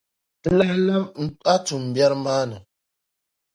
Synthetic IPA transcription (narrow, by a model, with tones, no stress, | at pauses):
tə˦la˦hla˦mn̩˦a˦tu˨m̩˨bja˦ɾma˦nə˨